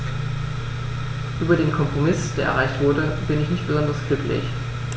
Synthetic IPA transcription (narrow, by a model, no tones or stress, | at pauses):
ʔyːbɐdeːnkʰɔmpʁ̥omɪsd̥eːɐʔɛ̰ʁaɪçtv̥ʊɐdəbɪnɪçnɪçt̚b̥əzɔndɐsɡ̥lʏkʰlɪ̰ç